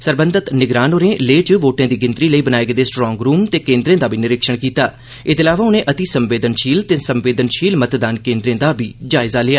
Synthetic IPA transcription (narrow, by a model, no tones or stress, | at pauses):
səɾbə̃nd̪ət̪nɪɡɾaːnoːɾẽːleːt͡ʃʋoːʈãːd̪iːɡɪ̃nt̪ɾiːləiːbənaːeːɡd̪eːsʈɾɔːŋɡɾuːmt̪eːkẽːnd̪ɾẽːd̪aːbiːnɪɾɪkʃəɽ̃kiːt̪a̰ː | ɪd̪eːlaːʋaːʊnẽːʔət̪isəmʋeːd̪ənʃʰiːlt̪eːsəmʋeːd̪ənʃʰiːlmət̪d̪aːnkẽːnd̪ɾẽːd̪aːbʱiːd͡ʒaːɪzaːlɪaː